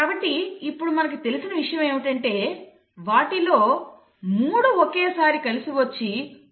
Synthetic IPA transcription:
kaːbɐʈːiːpːuɽumɐnɐk̬it̪e̞lisinɐʋiʂɐjɐmeːʋiʈɐɳʈe̞ː | ʋaːʈilo̞ː | muːɽuokeːsaːɾikɐlisiʋɐt͡ʃːi

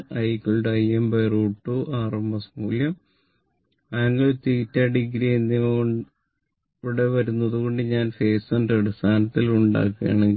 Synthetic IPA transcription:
ɐjkːuɭɖɐjembɐjruːʈːuʔaːrɐmɐsmuːljɐm | ɐɐŋːɡɐɭt̪iːtːɐɖiɡɾienːioɳ | ʋiɽe̞ʋɐɾunːɐðuɣo̞ɳɖɨɲaːnfe̞ːsondɐɽist̪ʰaːnɐt̪ːiluɳɖa̰ːkːɨa̰ːɳeŋɡi

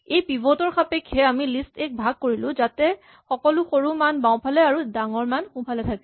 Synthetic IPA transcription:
ejpibʱɔtɔɹxʰapɛkhɛamilistɛk̚bʱaɡ̚koɹilʊ̃zatɛ | xɔkɔlʊxoɹumanbaw̃pʰalɛaɹudaŋɔɹmanxũpʰalɛtʰakɛ̥

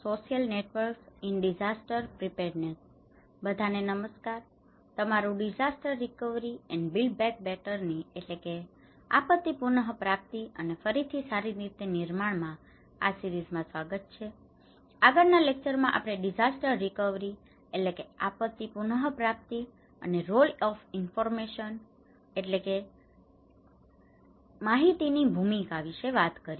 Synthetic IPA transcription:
soʃijəlneʈʋəɾksinɖid͡ʒasʈəɾpɾipeɾnes | bəd̪ʱanenəməskaɾ | t̪əmaɾũɖid͡ʒasʈəɾːikəʋɾiɛnbilɖ̚bɛk̚bɛʈəɾnieʈleke | a̰pət̪ːipunəɦpɾap̚t̪iənefəɾit̪ʰisaɾiɾit̪eniɾmaɳmã | a̰siɾizmãsʋaɡət̪̚t͡ʃʰe | aɡəɾnalek̚t͡ʃəɾmãʔa̰pɽ̃eɖid͡ʒasʈəɾːikəʋɾi | eʈlekeapət̪ːipunəɦpɾap̚t̪i | ə̰neɾolɔfinfɔɾmeʃən | eʈleke | maɦit̪inibʱumikaʋiʃeʋat̪kəɾi

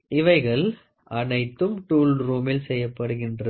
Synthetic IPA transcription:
ɪʋɐɪɣɐɭ | ʔɐnɐɪt̪ːɯmʈuːlɾuːmɪlsɛjːɐpːɐɽɯɣɪndrɐ

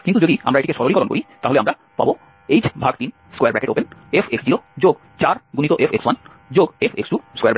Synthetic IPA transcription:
kint̪ud͡ʑod̪ia̰mɾaeʈikeʃɔɾolikɔɾonko̰it̪aɦoleamɾa | pa̰bo | ejd͡ʑbʱaɡ̚t̪in | skɔjaɾbɾɛkeʈo̰penefʰeksd͡ʑiɾod͡ʑoɡ | t͡ɕaɾɡunit̪oʔefekswan | d͡ʑoɡefʰeksʈuskejaɾbɛ

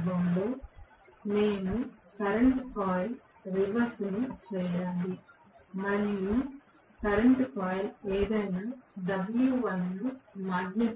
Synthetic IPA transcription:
bɐmloː | ne̞ːnukɐɾeɳʈpʰaːjl | ɾiʋɐɾsnut͡ʃɛːjalːi | mɐɾiju | kɐɾɐɳʈpʰaːjleːd̪ɐjnaːɖ̪ɐbljuʋɐnːumaːɡne

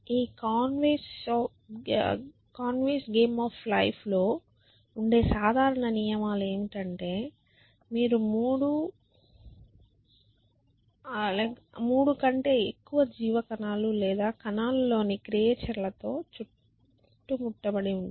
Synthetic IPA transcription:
iːkaːnʋeːs | kaːnʋiːsɡeːmaːflɐjpʰlo̞ː | uɳɖe̞ːsaːd̪ʱaːɾɐɳɐnijɐmaːle̞ːmiʈɐɳʈe̞ː | miːɾumuːɽu | muːɽukɐɳʈe̞ːekːuʋɐd͡ʒiːʋɐkɐnaːlulɛːd̪aːkɐnaːlulo̞ːnikɾijeːʈɐɾlɐt̪o̞ːt͡ʃu | ʈːumuʈːɐbɐɽiuɳɖi

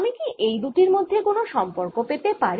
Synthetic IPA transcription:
mikiejd̪uʈiɾmod̪ʱːekonoʃɔmpoɾkopet̪epaɾ

